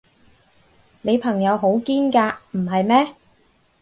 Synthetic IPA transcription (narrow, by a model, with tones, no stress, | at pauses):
ne˨˧jpʰɐ˨˩ŋjɐ˨˧wɦo˨˥wkiː˥nkaː˧m̩˨˩ɦɐ˨jmɛː˥